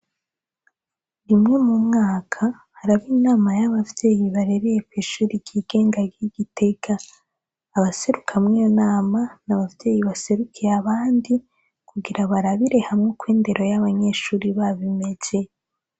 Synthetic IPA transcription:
imŋe̞mumŋaːkʰa | haɾaβiːnaːmajaβavje̞ːjiβaɾe̞ɾejepeʃuːɾiɡiːɡ̥e̞ːŋɡaɡiɡite̞kaː | βase̞ɾukʰamŋijonaːmanaβavje̞ːjiβase̞ɾukʰeaβaːndi | kuɡiɾaβaɾaβiɾe̞hamŋo̞kwiːnde̞ɾʔo̞jaβaɲe̞ːʃuːɾiβaβime̞ɟe

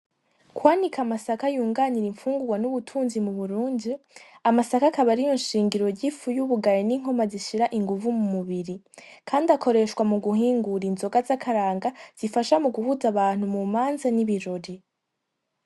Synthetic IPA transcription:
kwaːnikʰamasakajuːŋɡaniɾiɱfuːŋɡuɡwanuβutʰuːnzimuβuɾuːndi | amasakakaβaɾijo̞nʃiːŋɡiɾo̞ɾɟifujuβuɡaɾeniŋ̥ho̞maziʃiɾaʔiŋɡuvumumuβiɾikʰaːndiakʰo̞ɾe̞ʃkwamuɡuhiːŋɡuɾinzo̞ɡazakʰaɾaːŋɡaz̥ifaʃamuɡuhuzaβaːn̥humumaːnzaniβiɾoɾi

